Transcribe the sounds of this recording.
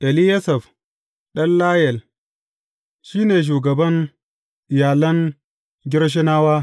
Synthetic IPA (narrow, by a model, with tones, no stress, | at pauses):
ʔɛ˨lɪ˦jɐ˦sɐ˨f | ɗɐ˦nlaː˦jɛ˨l | ʃiː˦neː˨ʃ̬uː˨ɡɐ˨bɐ˦ŋ | ʔɪ˨jaː˨lɐ˦ŋ | ɡʲɪ˦ɾʃ̬ɪ˦naː˦waː˦